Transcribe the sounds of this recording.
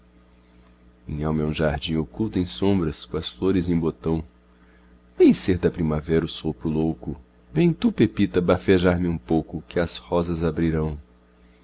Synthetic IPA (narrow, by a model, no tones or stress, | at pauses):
ĩɲawmeũʒaɾd͡ʒĩŋokuwt̪ẽj̃sõmbɾɐskõɐsfloɾɪzẽj̃bot̪ɐ̃w̃ | vẽj̃seɾd̪ɐpɾĩmavɛɾɐʊsopɾʊlowkʊ | vẽj̃t̪upepit̪ɐbafeʒaɾmɪũpowkʊkɪɐshɔzɐzabɾiɾɐ̃w̃